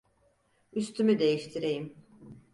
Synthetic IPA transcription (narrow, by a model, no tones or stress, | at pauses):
yst̪ʰymyd̪e̞jiʃt̪ʰiɾejim